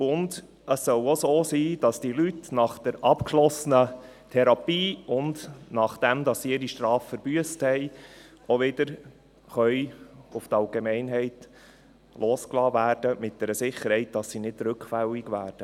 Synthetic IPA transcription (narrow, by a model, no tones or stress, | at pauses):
ʊnd | əsːœwosoːsiːd̥ɑsd̥ilytnɑχd̥ɛɾʔɑpkʃlɔsənə | tʰɛɾɑpiːʊndnɑχd̥ɛmd̪ɑsːiɪɾiʃtɾɑːfːəɾb̥yəsthɛɪ | oʋɪd̥əɾ | χœʏʊftɑlɡemɛɪnɦɛɪt | lʔoːsklɑːvæːɾd̥əmɪt̚d̥ɛɾəsɪχəɾhɛɪt̚d̥ɑsːinɪd̥ɾɵkχfæliɡʋæːrd̥ə